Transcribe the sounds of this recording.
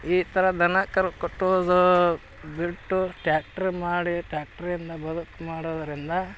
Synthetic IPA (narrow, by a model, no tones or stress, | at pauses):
iːt̪ʰɐɾɐd̪ɐnɐkɐɾukoʈːod̪u | biʈːuʈjaːk̚ʈɐɾmaːɽiʈɾaːk̚ʈɐɾind̪ɐbɐd̪ukmaːɽoːd̪ɐɾind̪ɐ